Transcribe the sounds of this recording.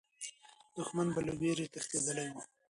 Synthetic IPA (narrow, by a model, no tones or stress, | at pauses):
d̪̥ʊxmanbalaweɾet̪axt̪ed̪əlawu